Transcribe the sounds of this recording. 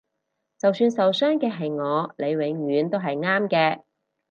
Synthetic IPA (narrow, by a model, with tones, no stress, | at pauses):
t͡sɐ˨wsyː˧nsɐ˨wsœː˥ŋkɛː˧ɦɐ˨jŋɔː˨˧le˨˧jwɪ˨˧˥ŋɥyː˨˧nt̪o˥wɦɐ˨jŋaː˥mkɛː˧